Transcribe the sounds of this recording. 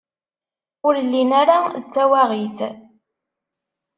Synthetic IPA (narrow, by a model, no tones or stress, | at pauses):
ʊɾlːinaɾaət͡sːæwaʁiθ